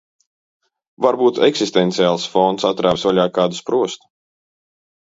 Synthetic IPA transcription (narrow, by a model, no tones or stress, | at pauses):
vaɾbuːt̪ɛksist̪ɛnt̪siaːlˠsfɔnt̪sat̪ɾaːvsvaʎʲaːkaːd̪uspɾuɔst̪u̥